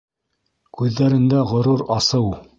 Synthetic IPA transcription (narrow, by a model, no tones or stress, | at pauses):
kʉðːæɾɘ̆nd̪æʁŏɾuɾɑsɤw